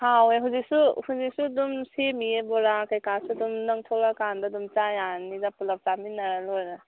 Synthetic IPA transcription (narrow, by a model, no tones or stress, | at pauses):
haweɦuzisuhuzisudumsemiebɔɾakajkasudumnɐŋtʰɔlakandadumt͡ʃajanizapulap̚t͡ʃaminaɾalɔɾa